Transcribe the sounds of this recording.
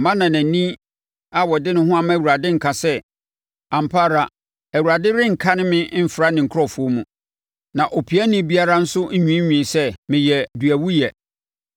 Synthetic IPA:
mã˦nã˨næ̃˨nĩ˦ | a˨wɔ˨dɪ˦nʊ̃˦ɦʊ̃˦a˦mã˦˨wu˨ɾa˨dɪ̃˦ŋ̩˨kʰã˨sɛ˦ | ã˨m̩˨pʰaː˦ɾa˨ | æ˨wu˨ɾa˨dɪ˦ɾɪ̃˦ŋ̩˨kʰã˦nɪ̃˦mɪ̃˦m̩˦fɪ˨ɾa˦nɪ̃˨ŋ̩˨kʰʊ˦ɾɔ˦fʊ˨˦o˦mũ˨ | nã˨ʔo˨pʰi˨˦æ˦nĩ˦bi˦a˦ɾa˦n̩˦sʊ˦ɲᶣũ˦ɲᶣĩ˨sɛ˦mɪ̃˨jɛ˨du˨æ˨wu˦jɛ˨

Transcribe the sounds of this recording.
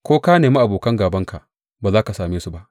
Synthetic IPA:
kʷoː˦kaː˦neː˨mi˦ʔa˨boː˨kɐ˦ŋɡaː˨bɐ˦ŋka˨ʔ | baː˨zaː˦ka˨saː˨meː˦su˦˨ba˦ʔ

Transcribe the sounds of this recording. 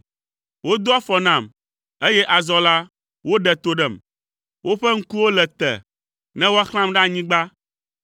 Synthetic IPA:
wo˦d̪o˦a˦fɔ˨nã˦˨m | e˦jɛ˦ʔa˨zɔ˦la˦ | wo˦ɖɛ˨t̪o˦ɖɛ˨m | wo˦ɸɛ˦ŋ̩˦ku˦wo˦lɛ˨t̪ɛ̰˨ | nɛ̃˦wo˦a˦xl̃ã˦mɖa˦ɲĩ˦ɡ͡ba˦

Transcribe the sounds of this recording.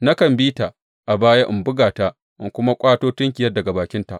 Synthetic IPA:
na˦kɐ˨mbiː˦ta˨ | ʔa˨baː˦ja˦ʔɪ˨mbʊ˦ɡaː˨ta˦ʔ | ʔɪ˦ŋkʷʊ˦ma˦kʷʼaː˦toː˦tʊ˦ŋkʲɪ˨jɐ˦rdɐ˨ɡa˨baː˨kʲɪ˦nta˨ʔ

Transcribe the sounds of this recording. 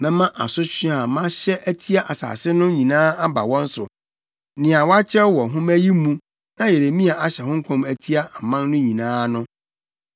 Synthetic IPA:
mɛ̃˦mã˦ʔa˨sʊ˦t͡ɕᶣĩ˦a˨mã˦ɕɛ˦ʔæ˦tʰi˦a˦ʔa˨sa̰ː˨sɪ˦nʊ̃˦ɲĩ˨nãː˦a˦ba̰˨wɔ̃˦n̩˦sʊ̰˨ | nɪ̃˨a˨wɔ˦a˦t͡ɕʰɪ˦ɛ˦wɔ˨ɦʊ̃˦mæ˦ji˦mũ˦ | nã˦je˨ɾe˨mĩ˦a˨a˨ɕɛ˨ɦʊ̃˦ŋ̩˦kʰɔ̃˨mæ˨tʰi˦a˦a˨mã˦n˦nʊ̃˦ɲĩ˨nãː˦nʊ̃˦

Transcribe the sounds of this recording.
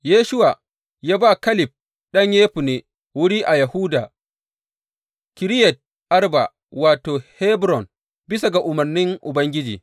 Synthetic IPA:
jeː˦ʃʊ˦waː˨ | jaː˦baː˦˨kɐ˦lɪ˨p̚ | ɗɐ˦ɲjeː˦ɸu˨neː˨ | wʊ˦ɽiː˦ʔa˨jɐ˨hu˦daː˨ | kʲɪ˨ɾɪ˦jɛ˨t̚ | ʔa˦rba̰˨ | waː˨toː˨hɛ˦bɾɔ˨n | bɪ˦sa˨ɡa˨ʔʊ˨mɐ˨rnɪ˦ŋʔʊ˨bɐ˦ŋɡʲɪ˦d͡ʒḭː˨

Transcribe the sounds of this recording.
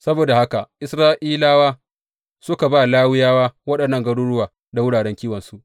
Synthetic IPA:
sɐ˦boː˨da˨ha˦ka˨ʔɪ˦sɾaː˦ʔiː˦laː˦waː˦ | sʊ˦ka˨baː˦˨laː˦wɪ˦jaː˦waː˦wɐ˦ɗɐ˨nːɐ˦˨ŋɡɐ˦ɽʊ˦ɽʊ˦waː˨ | da˨wʊ˦ɽaː˨ɽɛ˦ŋkʲiː˦wɐ˨nsu˦ʔ

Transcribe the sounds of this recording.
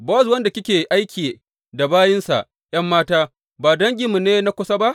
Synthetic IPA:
bɔ˦swɐ˦nda˨kʲɪ˦kʲeː˨ʔa˦jkʲi˨ | da˨baː˦jɪ˦nsa̰˨ʔ | j̰ɐ˦mːaː˦taː˦ | baː˨dɐ˦ŋɡʲɪ˨mːu˨neː˦na˦kʷʊ˦sa˦ba˦ʔ

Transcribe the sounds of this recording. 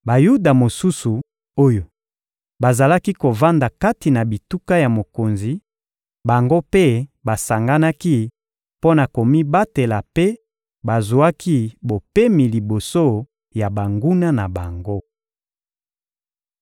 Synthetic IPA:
ba˨ju˦da˨mo˨su˦su˨ | o˦jo˨ | ba˨za˨la˦ki˦ko˨va˦nda˨ka˦ti˨na˨bi˨tu˦ka˦ja˨mo˨ko˨nzi˨ | ba˨ŋɡo˦pe˦ba˨sa˨ŋɡa˦na˦ki˦ | po˦na˨ko˨mi˦ba˦te˨la˨pe˦ | ba˨zu˨a˦ki˦bo˨pe˦mi˨li˨bo˨so˦ | ja˨ba˨ŋɡu˦na˦na˨ba˨ŋɡo˦

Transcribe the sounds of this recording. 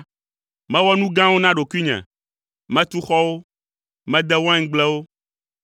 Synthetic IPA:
mɛ̃˦wɔ˦nũ˦ɡã˦wo˦nã˦ɖo˨ku˦i˦ɲɛ̰̃˨ | mɛ̃˦t̪u˦xɔ˦wo˦ | mɛ̃˦d̪ɛ˦wɔ̃˦ɛ̃˦ŋ̩˦ɡ͡blɛ˦wo˦

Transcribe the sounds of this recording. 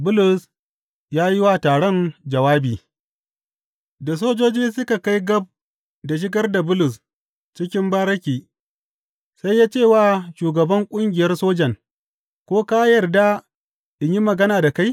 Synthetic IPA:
bʊ˦lʊ˨s | jaː˦ji˦wa˦˨taː˨ɽɔ˦nd͡ʒɐ˨waː˦biː˨ | da˨s̬oː˦d͡ʒoː˦d͡ʒiː˦sʊ˦ka˨ka˦jɡɐ˦b̚ | da˨ʃ̬ɪ˦ɡɐ˦rda˨bʊ˦lʊ˨s | t͡ʃɪ˦kʲɪ˦mbaː˦ɾɐ˦kʲiː˨ | sa˦jːaː˦t͡ʃeː˦˨waː˦˨ʃuː˨ɡɐ˨bɐ˦ŋkʷʼʊ˦ŋɡʲɪ˨jɐ˦rsoː˦d͡ʒɐ˨ŋ | kʷoː˦kaː˦jɐ˨rda˦ | ʔɪ˨ɲji˦mɐ˨ɡɐ˦naː˨da˨ka˦j

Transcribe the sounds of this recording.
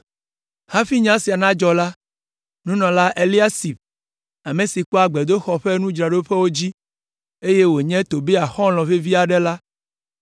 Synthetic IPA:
hã˦fi˦ɲã˦si˨a˨nã˦d͡ʒɔ˨la˦ | nũ˦nɔ̃˨la˦ʔe˨li˦a˦si˨b | a˨mẽ˨si˨k͡pɔ˦a˨ɡ͡bɛ˨d̪o˦xɔ˨ɸe˦nũ˦d͡ʒɾa˨ɖo˦ɸɛ˦wo˦d͡ʑi˦ | e˦je˦wo˨ɲɛ̃˦t̪o˨be˦a˨xɔ̃˦l̃ɔ̃˨ve˦vi˦a˨ɖɛ˦la˦

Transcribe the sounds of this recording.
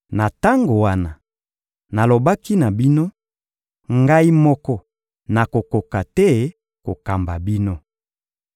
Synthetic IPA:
na˨ta˦ŋɡo˨wa˦na˨ | na˨lo˨ba˦ki˦na˨bi˦no˦ | ŋɡa˦i˦mɔ˦kɔ˦ | na˨ko˨ko˨ka˨tɛ˦ | ko˨ka˨mba˨bi˦no˦

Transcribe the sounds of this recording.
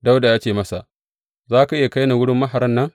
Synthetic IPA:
da˦wda˨jaː˦t͡ʃeː˨mɐ˦sa˨ʔ | zaː˦ka˨ʔɪ˦ja˨ka˦jna˨wʊ˦ɽɪ˦mːɐ˦ɦa˨ɾɐ˦nːɐ˦ŋ

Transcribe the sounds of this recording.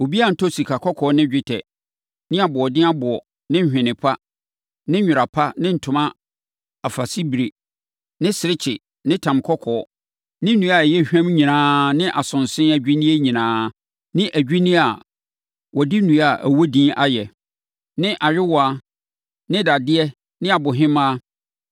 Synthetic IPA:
o˨bi˦a˦n̩˨tʰɔ˦si˨kʰa˨kʰɔ˦kʰɔ˨˦nɪ̃˦d͡ʑᶣɪ˦tʰɛ˨ | nɪ̃˦a˨bʊ˨ɔ˨dɪ̃˦a˦bʊ˨ɔ˨ | nɪ̃˦hᶣɪ̃˨nɪ̃˨pʰa˦ | nɪ̃˦ɲᶣʊ˨a˨pʰa˦nɪ̃˦n̩˨tʰʊ̃˨mã˦ | a˨fa˨si˦bi˨ɾi˨ | nɪ̃˦sɪ˨ɾɪ˦t͡ɕʰɪ˨ | nɪ̃˦tʰã˨mkʰɔ˦kʰɔː˨˦ | nɪ̃˦nũ˨˦a˨jɛ˦˨hᶣæ̃˦mɲĩ˨nãː˨˦nɪ̃˦ʔa˨sʊ̃˨nsɪ̃˦æ˨d͡ʑᶣi˦nĩ˦ɛ˦ɲĩ˨nãː˦ | nɪ̃˦ʔæ˨d͡ʑᶣi˦nĩ˦a˨ | wɔ˨dɪ˦nũ˨˦a˨ʔæ˨wo˦dĩː˦ʔa˦jɛ˨ | nɪ̃˦ʔa˨ɥᶣɪ˦wɔ˨a˦ | nɪ̃˦da˨dɪ˦ɛ˦ | nɪ̃˦a˨bʊ˨ɦɪ̃˦mã˦

